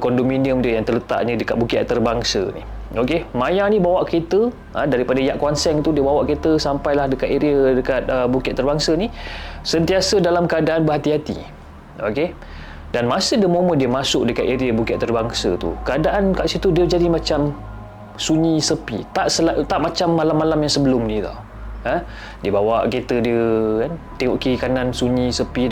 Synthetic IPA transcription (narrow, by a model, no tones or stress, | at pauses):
kɔndominiəmdiəjaŋt̪ərlət̪a̰ʔɲədəka̰t̪̚bukiʔt̪ərbaŋsə̰nḭ | okemajanibawaʔket̪ə | ə̃daɾipadaijaʔkwansɛŋt̪udiəbawaʔket̪əsampajlahdəkat̪eɾiədəkat̪̚əbukɪʔt̪ːərbaŋsənisənt̪iasədalamkəadaʔanbəɦat̪iɦat̪ḭ | o̰ke | danmasədiəmomədiəmasʊk̚dəkat̪̚eɾiəbukɪt̪t̪ːərbaŋsə̰t̪ṵkəadaʔankaʔsit̪udiəd͡ʒadimat͡ʃam | suɲisəpḭt̪aʔsəlat̪aʔmat͡ʃamːalamːalamjaŋsəbəlʊmnit̪a̰ | ə | diəbawaʔket̪ədiəkant̪eŋɔʔkikanansuɲĩsəpi